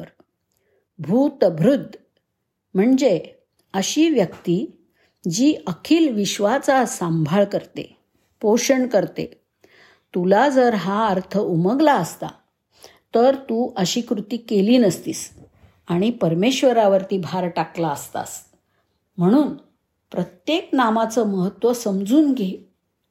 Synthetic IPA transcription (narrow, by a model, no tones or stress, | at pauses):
ɾ | bʱuːt̪əbʱɾud̪ʱː | m̤əɳd͡ze | əɕiːʋjəkt̪iː | d͡ʑiːʔəkʰiːlʋiɕʋat͡sasambʱaɭkəɾt̪ḛ | poɕəɳkəɾt̪ḛ | t̪ulad͡zəɾɦaəɾt̪ʰəuməɡlaəst̪a̰ | t̪əɾt̪uːʔəɕiːkɾut̪iːkeliːnəst̪ḭːs | aɽ̃ipəɾmeɕʋəɾaʋəɾt̪iːbʱaɾʈaklaəst̪a̰s | m̤əɽ̃uːn | pɾət̪jeknamat͡səməɦət̪ʋəsəmd͡zuːnɡe